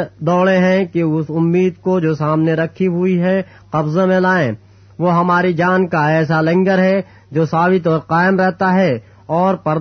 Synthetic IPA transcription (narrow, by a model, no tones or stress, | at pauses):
d̪ɔːɽeɦɛ̃keʊsʊmːiːd̪kod͡ʒoːsaːmneɾɐkʰːiɦʊiɦɛ̃ | qɐbzemẽlaːẽ | ʋoɦɐmaːɾid͡ʒaːnkaɛːs̬alɛ̃ŋɡəɾɦɛ | d͡ʒoːsaːbɪt̪ɔːɾqaːɪmɾɛɦt̪aɦɛ | ɔːɾpɐɾ